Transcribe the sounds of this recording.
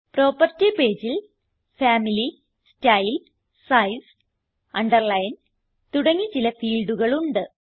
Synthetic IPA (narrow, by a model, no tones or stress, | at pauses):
proːpɐrtipe̞ːd͡ʑil | faːmili | stɐjl | sɐjs | ɐɳɖɐrlɐjn | t̪uɽɐŋːit͡ɕilɐfiːɭɖuɣɐɭuɳɖɨ